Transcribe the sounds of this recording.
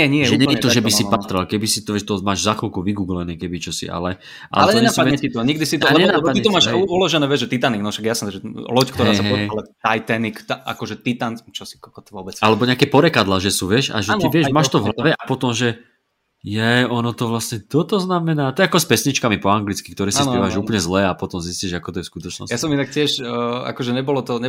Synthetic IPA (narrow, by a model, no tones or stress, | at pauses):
ɛɲɪɛjɛʒɛɲɛiɛɛt̪ɔʒɛbisipaːt̪ɾalkɛbisit̪ɔʋɛʃt̪ɔmaːʒzaxlkuʋiɡuːɡlɛnɛkɛbit͡ʃɔsḭʔa̰lɛ | ʔa̰lɛlɛɲɔɛɲɛaspadɛɲɛt̪it̪ɔɲiɡd̪isit̪ɔalɛɲɛnaːɛpat̪iɛt̪ɔmaːʃuulɔʒɛnɛːʋɪɛʒʒɛt̪it̪aniɡnɔʃaɡjasnɛd̪ʒɛlɔckt̪ɔɦɛasaɦɛɔlaajt̪anikt̪aa̰kɔʒɛt̪it̪ant͡ʃɔsi̥kɔkɔt̪ʋʊɔbɛt͡salɛbɔɲɛakɛːpɔɾɛkad̪laːʒɛsuːʋɪɛʃa̰ʒɛniʋɪɛʃmaːʃt̪ɔvɦlaʋɛʔapɔt̪ɔmʒɛ | jɛɔnɔt̪ɔʋlasɲɛt̪ɔt̪ɔznamɛnaːt̪ɔjɛakɔspɛsɲit͡ʃkamipɔaŋɡlit͡skikt̪ɔɾɛːsaisnpɛʋaʒɛuːplɲɛzlɛːapɔt̪ɔmzisciʒakɔt̪ɔjɛskut̪ɔt͡ʃnɔ̰sjasɔminak̚cɪɛʃa̰kɔʒɛɲɛbɔlɔt̪ɔɲɛ